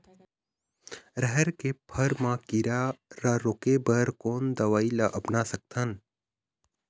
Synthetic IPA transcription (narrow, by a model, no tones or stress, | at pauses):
ɾəɦɛɾkepʰɐɾmãkiɾaɾaɾoːkebəɾkoːnd̪ɐʋaːilaʔɐpnasɐk̚t̪ʰən